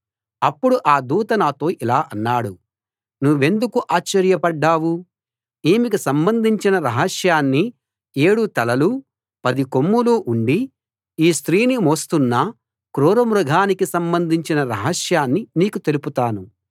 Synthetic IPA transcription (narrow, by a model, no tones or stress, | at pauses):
ɐpːuɽuʔaːd̪uːt̪ɐnaːt̪o̞ːʔilaːʔɐnːaːɽu | nuʋːe̞nd̪ukuʔaːt͡ʃːɐɾjɐpɐɖːaːwu | eːmikisɐmbɐnd̪ʱiɲt͡ʃinɐɾɐɦɐsjaːnːi | e̞ːɽut̪ɐlɐlu | pɐd̪ikomːuluːʔuɳɖi | iːst̪ɾiːnimoːst̪unːɐ | kɾuːɾɐmɾuɡʱaːnikisɐmbɐnd̪ʱiɲt͡ʃinɐɾɐɦɐʃjaːnːiniːkut̪e̞luput̪aːnu